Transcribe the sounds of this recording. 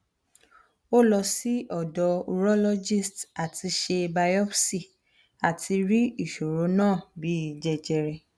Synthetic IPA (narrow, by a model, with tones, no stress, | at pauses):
o˦lɔ˧si˦ɔ˨dɔ˧u˧ɾɔ˦lɔ˦d͡ʒi˦˨sta˨tʰi˧ʃe˧ba˧jɔ˦fsi˦˨ | a˨tʰi˧ɾi˦i˦˨ʃo˨ɾo˨˦nãː˦˨bi˨˦i˨d͡ʒɛ˧d͡ʒɛ˧ɾɛ˧